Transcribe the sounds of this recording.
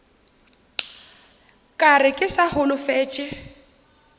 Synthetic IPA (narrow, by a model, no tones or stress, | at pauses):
kʼarɪkʼɪsahʊlʊfɛːt͡ʃʼɛ